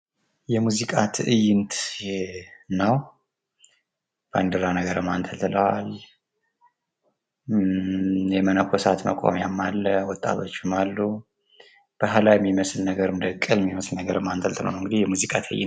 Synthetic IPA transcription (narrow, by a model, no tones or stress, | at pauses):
jɛmuzikʼat̪ʰɨjɪnt̪ʰ | nəw | b̥and̪ɨɾanəɡəɾɨmːant̪ʰəlt̪ʰɨləwal | jɛmənəkʷʰɔsat̪mə̰kʼo̰mjamːalːəwɔt̪ʼːa̰t̪ʰo̞t͡ʃːɪmalːu | b̥əɦalajɛmːiməslnəɡəɾɨmd̪əkʼːɨlɛmːiməslnəɡəɾɨmːant̪ʰəlt̪ʰlə̰wnwɨŋɡɨd̪ijɛmuzikʼat̪ʰɨ̰jɪ̰